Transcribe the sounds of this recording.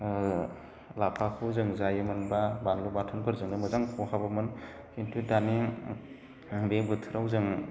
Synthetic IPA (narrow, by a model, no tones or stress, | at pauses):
lapʰakʰɯwzɯŋzajɯmɯnbabanlubatʰɯnpʰɯɾzɯŋdɯmɯzaŋkʰɔhabamɯn | kʰintʰudani | bebɯtʰɯɾawzɯŋ